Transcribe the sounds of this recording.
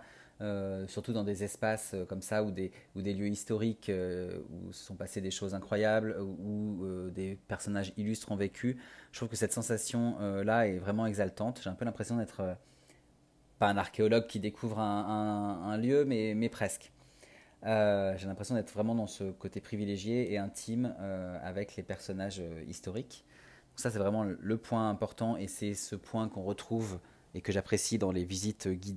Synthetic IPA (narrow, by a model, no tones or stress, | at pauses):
øsyʁt̪ud̪ɑ̃d̪ezɛspasøkɔmsaud̪eud̪eljøist̪ɔʁikøṵsə̥sɔ̃pased̪eʃozɛ̃kχwajabluød̪epɛʁsɔnaʒilyst̪χɔ̃vekʲʰyt̪χuvkəsɛt̪sɑ̃sasjɔ̃ølaɛvʁɛmɑ̃ɛɡzalt̪ɑ̃t̪ʒ̥eɛ̃pølɛ̃pχesjɔ̃d̪ɛt̪χø | paɛ̃naʁkʲeɔlɔɡ̚kʲid̪ekʰuvʁɛ̃ɛ̃ɛ̃ljømɛmɛpχɛsk | øʒelɛ̃pχesjɔ̃d̪ɛt̪χvʁɛmɑ̃d̪ɑ̃səkot̪epχivileʒjeːɛ̃t̪ʰimøa̰vɛklepɛʁsɔnaʒøḭst̪ɔʁik | dd̪ɔ̃ksasɛvʁɛmɑ̃ləpwɛ̃ɛ̃pɔʁt̪ɑ̃esɛsəpwɛ̃kɔ̃ʁət̪χuv | ekəʒapχesid̪ɑ̃levizit̪øɡʲid̪